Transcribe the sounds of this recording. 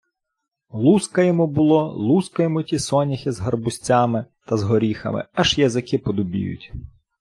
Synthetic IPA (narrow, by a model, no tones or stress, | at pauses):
lˠuskɐjɔmubʊlˠɔlˠuskɐjɔmʊtʲisɔnʲixɪzɦɐrbʊsʲt͡sʲamɪt̪ɐzɦɔɾʲixɐ̰mɪ̰ɐʒjɐzɪkɪpɔd̪ʊbʲḭjʊ̰tʲ